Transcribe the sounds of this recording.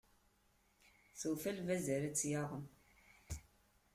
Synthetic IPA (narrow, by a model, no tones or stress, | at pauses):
θuwfælvæzæɾæt͡sːjɑʁˤəm